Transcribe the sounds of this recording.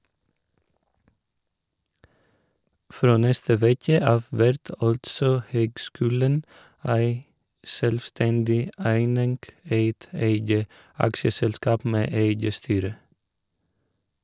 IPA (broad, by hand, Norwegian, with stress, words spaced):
ˈfɾoː ˈnɛstə ˈʋeːkə ˈɑːʋ ˈʋæɾt ˈɑltsɔ ˈhøːɡˌskʉːlən ˈæɪ ˈʃœlʋˌstɛndɪ ˈæɪnɪŋɡ ˈeɪt ˈeɪɡə ˈɑkʃəsɛlˌskɑːp ˈmeː ˈeɪɡə ˈstyːɾə